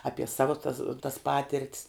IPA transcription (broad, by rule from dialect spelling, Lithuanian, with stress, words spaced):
ˈɑːpʲiɛ ˈsɑːʋʊ tɐs tɐs ˈpɑːtʲɪrʲtʲs